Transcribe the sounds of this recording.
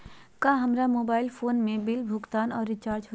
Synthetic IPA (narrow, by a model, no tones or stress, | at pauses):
kaːɦɐmɾamoːbaːɪlfʰoːnmẽbɪlbʱʊɡt̪aːnɔːɾːɪt͡ʃaːɾd͡ʒɦo